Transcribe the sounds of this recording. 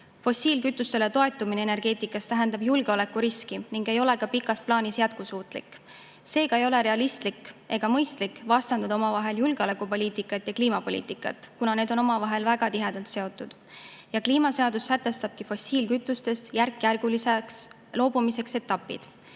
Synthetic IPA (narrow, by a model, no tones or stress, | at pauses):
fo̞sʲiːlkyt̪ːˑust̪e̞le̞t̪o̞e̞t̪ːˑumineene̞rɡ̥e̞ːt̪ˑikːˑɑst̪æɦend̪ɑbjulɡ̥eo̞le̞kːuɾiskiniŋɡ̥e̞jo̞le̞ɡɑpikːˑɑsplɑːnisjæt̪̚kusuːt̪ˑlḭkːˑ | se̞ːɡ̥ɑe̞jo̞le̞ɾe̞ɑlist̪likːe̞ɡ̥ɑmɤjst̪likːˑvɑst̪ɑnd̪ɑd̪ɑo̞mɑvɑɦe̞ljulɡ̥eo̞le̞kːˑupo̞lʲiːt̪ikːˑɑt̪ːˑjɑkliːmɑpo̞lʲḭːt̪ˑikːˑɑ̰t̪ːˑkunɑne̞ːd̪o̞no̞mɑvɑɦe̞lvæɡ̥ɑt̪iɦe̞d̪̥ɑlt̪se̞o̞t̪ːˑud̪̥ | jɑkliːmɑse̞ɑd̪̥usːæt̪ːˑe̞st̪ɑb̥̚kifo̞sʲiːlkyt̪ːˑust̪e̞st̪jærkːjærɡ̥uliseks | lo̞ːbumise̞kse̞t̪ːˑɑpːˑḭd̪̥